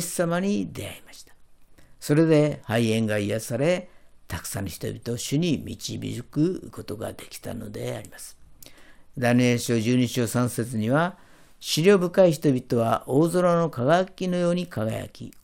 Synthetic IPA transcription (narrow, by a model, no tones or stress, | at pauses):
samaɲ̟id̪e̞a̰imaɕi̥t̪ḁso̞ɾe̞d̪e̞haiẽ̞ŋɡaijasaɾe̞t̪akɯ̟̥sanːoçʲi̥t̪o̞̰bʲit̪o̞ːɕɨɲ̟imʲḭt͡ɕibʲḭɾɨkɯ̟ko̞t̪o̞ɡa̰d̪e̞kʲi̥t̪a̰no̞̰d̪e̞̰a̰ɾʲimasɨ̥ | d̪aneɕo̞ːʑɨːɲiɕo̞ːsãɰ̃se̞t͡sɨɲ̟iβa | ɕiɾʲo̞ːbɯ̟kaiçi̥t̪o̞bʲit̪o̞βaʔo̞ːzo̞ɾono̞kaɡajakʲino̞jo̞ːɲ̟ikaɡaja̰kʲḭ